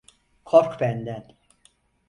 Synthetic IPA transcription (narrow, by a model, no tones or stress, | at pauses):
kʰoɾkbænd̪æn